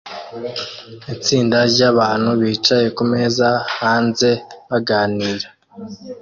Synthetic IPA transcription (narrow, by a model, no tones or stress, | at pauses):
it͡siːndaɾɟaβaːn̥huβiːt͡ʃaje̞kume̞ːzahaːnze̞βaɡaːniːɾa